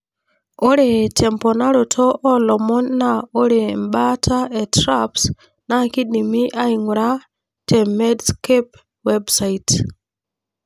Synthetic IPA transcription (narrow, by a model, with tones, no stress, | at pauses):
o˦ɾe˨tʰɛ˨mpɔ˨na˦ɾo˨tʰɔ˦ʔɔ˦lɔ˨mɔ˦nːa˦o˦ɾe˨mɓa˦tʰa˦ɛ˨tɾaps | na˦ki˦ɗi˨mi˦ʔa˦i˨ŋɾa˦ | tʰɛ˨mɛ˦dskep | wɛ˦bsait